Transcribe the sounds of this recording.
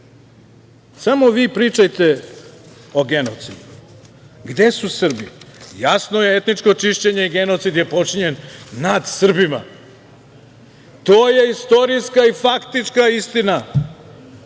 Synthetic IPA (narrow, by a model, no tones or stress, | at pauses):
samo̞ʋiːpɾiːt͡ʃajt̪e | oɡe̞not̪sid̪u | ɡd̪e̞susr̩bḭjasno̞je̞et̪nit͡ʃko̞t͡ʃiʃt͡ɕe̞ɲe̞iɡe̞not̪sid̪je̞po̞t͡ʃiɲe̞nːad̪sr̩bima̰ | t̪oːje̞ist̪o̞ɾijskaifakt̪it͡ʃkaist̪ina